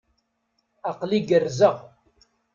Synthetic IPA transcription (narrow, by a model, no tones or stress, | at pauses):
ɑqliɡərːzəʁ